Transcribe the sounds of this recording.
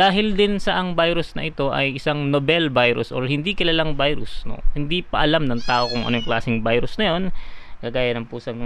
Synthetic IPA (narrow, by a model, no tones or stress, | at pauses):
d̥̪aːɦɪld̪ɪnsɐʔɐŋbajɾʊsnɐ̰ʔɪt̪o̞ʔɐ̰jʔɪsaŋnobɛlbajɾʊ̰sʔo̰ɹhɪnd̪ikɪlaːlɐŋbajɾʊsno̰hɪnd̪ipɐʔɐlamnɐŋt̪aːʔo̞kʊŋʔɐnojʊŋklaːsɪŋbajɾʊsnɐjo̞nkaːɡaːjɐnɐŋpuːsɐn